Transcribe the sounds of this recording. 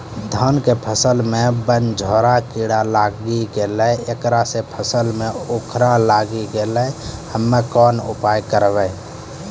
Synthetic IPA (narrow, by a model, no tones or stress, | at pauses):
d̪ʱənkepʰəsəlmebənd͡ʒʱoːɾakiɽalaɡiɡelɛekɾasepʰəsəlmeokʰɾalaɡiɡelɛhəmːekɔnṵpajkəɾbə